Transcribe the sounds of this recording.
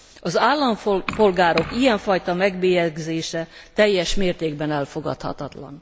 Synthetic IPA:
ɒzaːlːɒɱpo̞lɡaːɾo̞kijɛɱfɒjt̪ɒmɛɡbeːjɛɡzeːʃɛt̪ɛjːɛʃmeːrt̪eːɡbɛnɛlfo̞ɡɒ̰t̪hɒ̰t̪ɒt̪lɒ̰n

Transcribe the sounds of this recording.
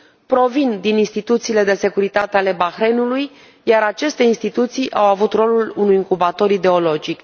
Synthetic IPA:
pɾo̞vind̪ininst̪it̪ut̪siːle̞d̪e̞se̞kuɾit̪at̪e̞ale̞baxɾenuluj | jaɾat͡ʃe̞st̪e̞inst̪it̪ut̪sijʔawavut̪ro̞lulunujiŋkubat̪o̞ɾid̪e̞o̞lo̞d͡ʒik

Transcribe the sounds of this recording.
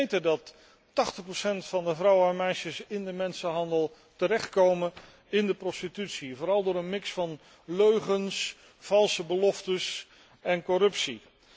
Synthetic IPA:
jtədɑtː | ɑχtəχprosɛntfɑndəvrʌwəɛnmɛjʃəsɪndəmɛnsəɦɑndəlˠ | təɾɛχt̚kowmən | ɪndəprɔstitytsivoːɾɑlˠdʊːɾənmɪksfɑn | løɥχəns | fɑlˠsəbəlɔftəs | ɛnkɔɾɵpsi

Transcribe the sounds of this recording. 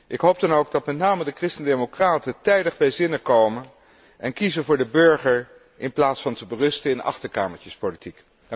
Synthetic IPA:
ʔɪkɦowp̚dɑnowɡ̚dɑtmɛtnaːmədəkrɪstəndejmokraːtətɛjdəχbɛjzɪnəkowmən | ʔɛnkizəvʊːɹdəbøɹχəɹ | ʔɪnplaːtsfɑntəbərɵstəɪnɑ̰χtəɹkaːməɹtəspolitik

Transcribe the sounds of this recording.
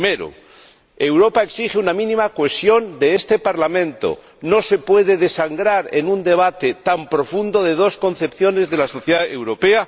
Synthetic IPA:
meɾo̰ | e̞wɾo̞paeksixeunamĩnĩmakwe̞sjo̞nd̪e̞est̪epaɾlamẽ̞nt̪o̰ | no̞se̞pwe̞ðe̞ðe̞saŋɡɾaɾḛnund̪e̞β̞at̪et̪ampɾo̞fund̪o̞ðe̞ð̞o̞sko̞nθe̞pθjo̞ne̞zðe̞laso̞θjeðaewɾo̞pe̞a

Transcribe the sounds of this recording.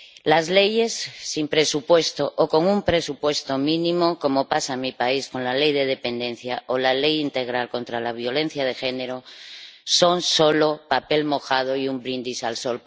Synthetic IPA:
lazle̞je̞sːimpɾe̞supwe̞st̪oʔoko̞ŋumpɾe̞supwe̞st̪o̞mĩnĩmo̞ko̞mo̞pasamipaisko̞nlale̞jðe̞ð̞e̞pe̞nd̪ẽ̞n̟θjaolale̞jint̪e̞ɣ̞ɾalko̞nt̪ɾalaβ̞jo̞le̞n̟θjað̞e̞xe̞ne̞ɾo̞so̞nso̞lopape̞lmo̞xað̞oiumbɾind̪isalso̞l

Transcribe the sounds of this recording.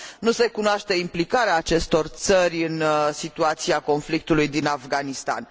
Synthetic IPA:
nuse̞kunoaʃt̪e̞implikaɾeaːt͡ʃe̞st̪o̞rt̪sərʲɨnsit̪uat̪siako̞nflik̚t̪ulujd̪inafɡanist̪a̰n

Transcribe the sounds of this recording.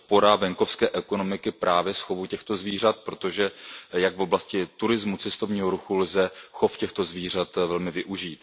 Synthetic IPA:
po̞ɾavɛŋko̞fskɛːʔɛko̞no̞mɪkɪpɾʔaːvjɛsxo̞vucɛxt̪o̞zviːrat̪̚pɾo̞t̪o̞ʒɛjaɡvo̞blascɪt̪uɾɪzmut͡sɛst̪ovɲiːɦoɾuxulzɛxofcɛxt̪o̞zviːr̝at̪vɛlmɪvɪʔuʒiːt̪

